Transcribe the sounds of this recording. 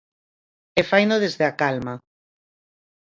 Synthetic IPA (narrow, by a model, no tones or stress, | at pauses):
efajnoðezðeakalma